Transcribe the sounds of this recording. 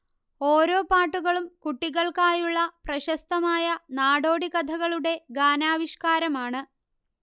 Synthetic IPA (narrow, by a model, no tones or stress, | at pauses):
o̞ːɾo̞ːpaːʈːuɣɐɭumkuʈːiɣɐɭkaːjuɭːɐprɐɕɐst̪ɐmaːjɐnaːɽo̞ːɽiɣɐd̪ʱɐɣɐɭuɽe̞ɡaːnaːʋiɕkaːɾɐmaːɳɨ